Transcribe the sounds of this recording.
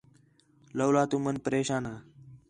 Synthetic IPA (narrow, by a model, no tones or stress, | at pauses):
ləwlat̪umənpəɾeɕana